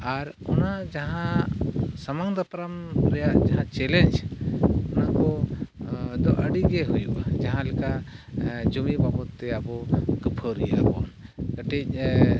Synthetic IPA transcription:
aɾ | ɔnad͡ʒaɦã | samaŋd̪əpɾamɾɛjaʔd͡ʒaɦãt͡ʃɛlɛɲd͡ʒ | ɔnaʔkɔ | d̪ɔʔəɖiɡɛɦujṵʔad͡ʒaɦãlika | d͡ʒumibabɔt̪ːɛabɔkəpʰəɾijabɔnkəʈic̚

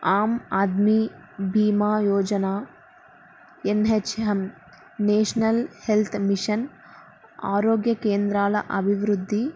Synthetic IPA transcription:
aːmaːd̪mibʱiːmaːjɔːd͡ʒɐnaː | enɦeɐɦɐm | neːʂnɐlhelt̪ʰmiʂɐn | aːɾoːɡjɐkeːnd̪ɾaːlɐ̰ʔɐbʱiʋɾud̪ʱːi

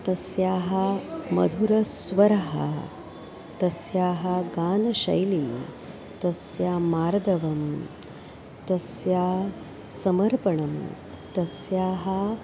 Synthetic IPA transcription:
t̪ɐsjaːɦɐmɐ̰d̪ʱuɾɐsʋɐɾɐɦɐ̰ | t̪ɐsjaːɦɐɡaːnɐʃɐ̰jli | t̪ɐsjaːmaːɾd̪ɐʋɐm | t̪ɐsjaː | sɐmɐɾpɐɳɐm | t̪ɐsjaːɦɐ

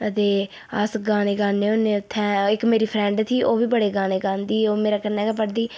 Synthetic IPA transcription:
ət̪eː | əsɡãːneːɡãːneːʊnːẽːʊt̪ʰːɛ̃ːɪkmeːɾiːpʰɾɛ̃ːɳɖt̪ʰiːʔoːʋiːbəɽeːɡãːneːɡãːnd̪iːoːmeːɾaːkənɛːɡaːpəɽd̪iː

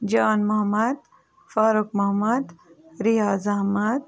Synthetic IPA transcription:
d͡ʒaːnmɐɦɐmɐd̪ | faːɾuk̚mɐɦɐmɐd̪ɾijaːzɐɦmɐd̪̚

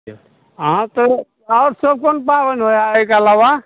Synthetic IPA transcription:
ɦãt̪ə | aɾsəb̚konpabənɦojaekaːlawa

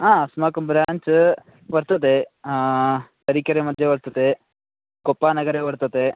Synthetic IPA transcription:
ãːɐsmaːkɐmbɾaːɲt͡ʃ | ʋɐɾt̪ɐt̪e | t̪ɐɾikɐɾemɐd̪ʱjeʋɐɾt̪ɐt̪e | kɔpːaːnɐɡɐɾeʋɐɾt̪ɐt̪e

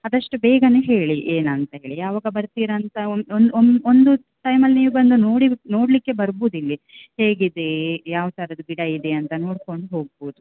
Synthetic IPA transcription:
ɐd̪ɐʂʈubɛːɡɐnuɦe̞ːɭiʔeːnɐnt̪ɐɦeːɭijaːʋaːɡɐbɐɾt̪iːɾɐːnt̪ɐonnond̪u | ʈɐjmɐlːniːʋubɐnd̪unoːɽino̞ːɽlikːe̞bɐɾbuːd̪ilːi | heːɡid̪ejaːʋɐt̪ʰɐɾɐd̪ɐbiɽɐid̪eɐnt̪ɐno̞ːɽko̞ɳɖuɦo̞ːɡ̚boːd̪u

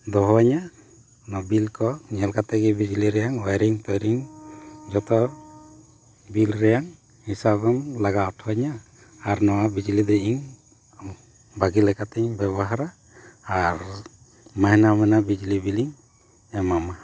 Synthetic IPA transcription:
d̪ɔɦɔaɲa | nɔbilkɔɲɛlkat̪ɛɡɛbid͡ʒliɾɛjaŋwajɾiŋt̪ɔjɾiŋ | d͡ʒɔt̪ɔ | bilɾɛjaŋ | hisabɔmlaɡaɔʈʰɔaɲaː | ɾnɔwabid͡ʒlid̪ɛiŋ | baɡilɛkat̪ɛɲbɛbɔɦaɾaː | ɾ | maɦnamɛnabid͡ʒlibiliŋ | ɛmama

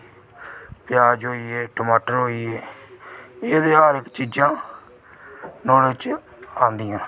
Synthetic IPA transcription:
pjaːd͡ʒɦoːiːeːʈəmaːʈəɾɦoːiːeː | eːd̪eːaːɾɪkt͡ʃiːd͡ʒãː | nɔːlət͡ʃ | ãːnd̪ɪijãː

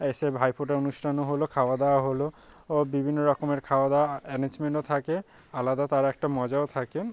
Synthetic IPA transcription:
esebʱajpʰoʈaonustʰanɔɦolokʰawad̪awɦolo | bibʱinːɔɹɔkɔmeɹkʰawad̪aɛneɲd͡ʒmenʈɔt̪ʰake | alad̪at̪aɹɛk̚ʈamɔzaot̪ʰake

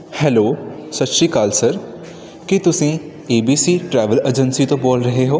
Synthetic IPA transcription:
hɛːloːsɐt̪ʃikaːlsɐɾ | kit̪ʊsĩ | eːbiːsiʈɾɛːʋəled͡ʒənsit̪õboːlɾɐɦeɦoː

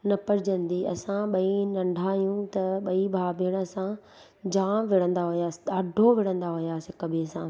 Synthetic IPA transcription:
nɐpɐɾɪd͡ʑə̃nd̪iːɐsãɓɐinɐ̃ɳɖʱaːjũt̪ɐɓɐibʱaːbiɽ̃ɐsã | d͡ʑãːʋɪɽ̤ə̃nd̪aɦʊjaːɗaːɖʱoʋɪɽ̤ə̃nd̪aɦʊjaːsɪkɐbʱesãː

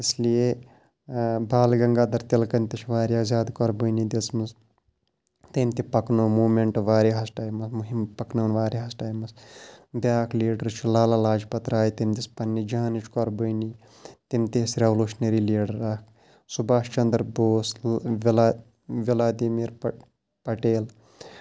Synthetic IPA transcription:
islije | bʱaːlɡɐŋɡaːd̪ɐɾt̪ilkɐnʲt̪it͡ʃʰʋaːɾiaːzʲaːd̪kɔɾbɨjnid̪it͡smɨs | t̪ɐmt̪ipɐknoːmuːmeɳʈʋaːɾeɦɐsʈaːjmɐsmuɦimpɐknɐːnʋaːɾeɦɐsʈaːjmɐsb̪ʲjaːkʰliːɖɐɾt͡ʃʰulaːlalaːd͡ʒpɐt̪ɾaːjt̪ɐmd̪ispɐnːid͡ʒaːnit͡ʃʰkɔɾbɨːni | t̪imt̪isɾeʋluːʃneɾiliːɖɐɾakʰ | subaːʃt͡ʃɐnd̪ɾboːsʋl | ʋilaːd̪iːmiːɾ | pɐʈeːl

